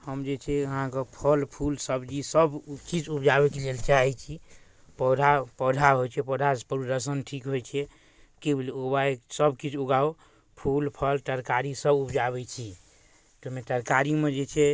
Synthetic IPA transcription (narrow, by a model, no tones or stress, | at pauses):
həmd͡ʒet͡ʃʰɛəɦãkəpʰəlpʰulsəbd͡ʒisəbkit͡ʃupd͡ʒabɛkelelt͡ʃaɦɛt͡ʃʰi | pɔd̪ʱapɔd̪ʱaɦojt͡ʃʰɛpɔd̪ʱaspəɾud̪əs̬ənʈʰikɦojt͡ʃʰɛ | kebilobaesəbkit͡ʃʰuɡao | pʰulpʰəlʈ̪əɾkaɾisəbupd͡ʒabɛt͡ʃʰi | t̪ɔmeʈəɾkaɾimed͡ʒet͡ʃʰɛ